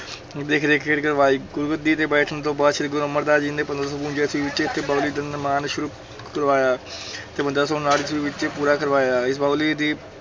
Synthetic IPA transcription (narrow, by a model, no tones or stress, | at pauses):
d̪eːkʰd̪eːkɪʈkəɾʋaːiːɡʊɾɡət̪̚d̪iːt̪eːbɛːʈʰənt̪õːbaːd̪ʃʰɪd̪ɡʊɾəmːəɾd̪aːd͡ʒĩːnd̪eːpənd̪ɾasɔpũːnd͡ʒeːsʋiːʋɪt͡ʃeːt̪ʰːeːbaːliːd̪ənmaːnʃʊɾuː | kəɾʋaːjaːt̪eːpə̃nd̪ɾasɔnaːlɪsʋiːʋɪt͡ʃeːpuːɾaːkəɾʋaːjaːɪsbaːliːd̪iː